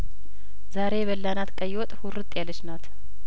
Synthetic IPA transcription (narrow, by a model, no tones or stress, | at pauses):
zaɾe̞bəlːanat̪kʼəjwɔt̪ʼhʊɾɨt̪ʼjalːəʃnat̪ʰ